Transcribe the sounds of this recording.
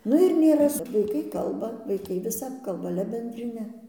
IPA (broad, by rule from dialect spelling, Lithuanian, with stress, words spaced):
ˈnʊ ɪr nʲeːˈrɐ sʊ ʋɐɪˈkɐɪ ˈkɐlˠbɐ ʋɐɪˈkɐɪ ʋʲɪˈsɐp ˈkɐlˠbɐ ˈɑːlʲɛ bʲɛnʲdʲrʲɪˈnʲɛ